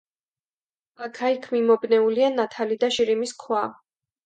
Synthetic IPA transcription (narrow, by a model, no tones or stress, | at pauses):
akʰaikʰmimɔbnɛulianat̪ʰalid̪aʃiɾimiskʰwa